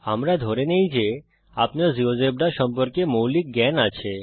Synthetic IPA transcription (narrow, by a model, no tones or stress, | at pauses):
amɾad̪ʱoɾenejd͡ʑe | apneɾziozeb̚ɖaɾʃɔmpoɾkemowlik̚ɡɛnat͡ɕʰe